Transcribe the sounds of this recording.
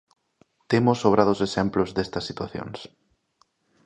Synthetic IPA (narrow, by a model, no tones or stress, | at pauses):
t̪emʊsːoβ̞ɾaðʊsesemplʊzðest̪ɐsːit̪waθjo̰ŋs